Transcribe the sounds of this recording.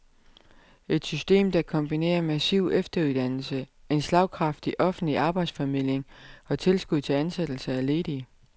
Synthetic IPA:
e̝d̥sysd̥e̝̰ːmd̥ɑ̈kʰɒ̽mb̥ine̝̰ːɐmæsiʊ̰efd̥ɐuðˠd̥æn̰l̩səe̝nslɑ̈ʊ̰kʰʁɑ̈fd̥iʔɒ̽fn̩dliʔɑ̈ːb̥ɑ̈ɪd̥sfɒmil̰eŋɒ̽t͡sʰe̝lsɡ̥uð̰ˠt͡sʰe̝lænsed̥l̩səæle̝ːd̥i

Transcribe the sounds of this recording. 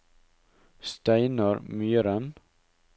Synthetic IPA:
st̪æɪnəɾmyːɾən

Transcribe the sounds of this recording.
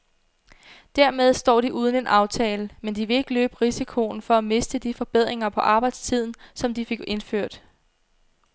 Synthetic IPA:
d̥æɐmeð̞ˠsd̥ɒ̰ːd̥iʔuːð̞ˠən̩e̝nʔɑ̈ʊt͡sʰɛːləmend̥iʋe̝e̝ɡ̥əlø̰ːb̥əʁisikʰo̝nfɒ̽æme̝sd̥əd̥ifɒ̽b̥eð̞̰ˠʁeŋɐpʰɒ̽ʔɑ̈ːb̥ɑ̈ɪd̥st͡sʰið̞̰ˠn̩sɒ̽md̥ife̝ɡ̥e̝nføɐ̰d̥

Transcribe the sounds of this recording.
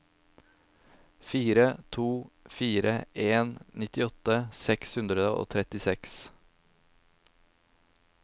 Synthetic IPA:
fiːɾət̪ʰuːfiːɾəʔeːnnɪt̪ɪɔt̪əsɛkshʉnd̪ɾəd̪əʔo̰ːt̪ʰɾɛt̪ɪsɛks

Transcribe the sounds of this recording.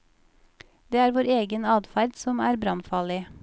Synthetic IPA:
d̪̥eːæːɾʋoːɾeːɡənɑːd̪fæɾd̪sɔmæːɾbɾɑnfɑːlɪ

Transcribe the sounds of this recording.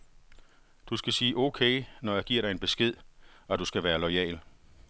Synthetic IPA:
d̥usɡ̥æsiːʔokʰeːnɒjɑ̈ɡ̥iɐ̰ɾ̥ɑɪenb̥e̝sɡ̥e̝ð̰ˠɒ̽d̥usɡ̥æʋæːɐlɒɪɛ̰ːl

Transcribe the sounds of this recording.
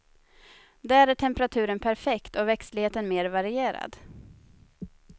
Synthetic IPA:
d̪æːæɾæʈʰɛmpɾat̪ʰʉ̟ːɾənpʰæɾfɛkt̪ɔvɛkst̪lɪheːt̪ənmeːɾvaɾɪeːɾa̰d̪

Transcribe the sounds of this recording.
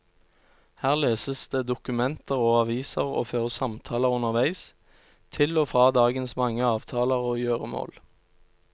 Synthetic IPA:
hæːʁleːsəsd̪əːd̪ʊkʉmɛnt̪əʁoːɑʋiːsəʁo̰ːføːʁəsɑmt̪ʰɑːləʁʊnəʁʋæɪs | t̪ʰɪloːfʁɑːd̪ɑːɡənsmɑŋːəɑːʋt̪ʰɑːləʁoːjøːʁəmo̰ːl

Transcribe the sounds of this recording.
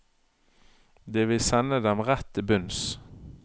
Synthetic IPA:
d̪eːʋɪlsɛnəd̪ɛmʁɛt̪ːɪbʉns

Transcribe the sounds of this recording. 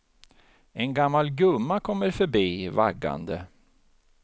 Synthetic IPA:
ɛnɡamːalɡɵmːakʰɔmːəɾfœɾbiːvaɡːa̰nd̪ə

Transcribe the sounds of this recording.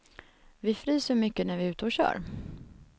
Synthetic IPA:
vɪfɾiːsəɾmʏkːənæɾvɪʉ̟ːt̪əɔɕœ̰ːɾ

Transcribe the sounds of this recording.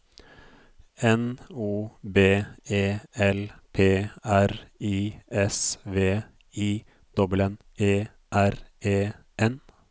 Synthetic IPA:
ɛnuːbeːeːɛlpʰeːæɾiːɛsʋeː | iː | d̪̥ɔblən | eː | ʔæɾeː | ʔɛn

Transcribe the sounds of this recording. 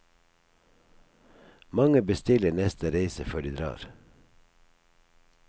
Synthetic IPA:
mɑŋəbəst̪ɪlənɛst̪ʰəɾeɪsəføːɖiːd̪ɾɑ̰ːɾ

